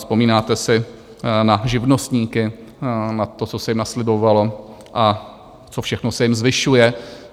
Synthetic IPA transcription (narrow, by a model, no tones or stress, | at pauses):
spo̞miːnaːt̪ɛsɪ | naʒɪvno̞st̪ɲiːkɪ | nat̪o̞t͡sosɛjɪmnaslɪbo̞valo̞ | ʔa | t͡sofʃɛxnosɛjɪmzvɪʃujɛ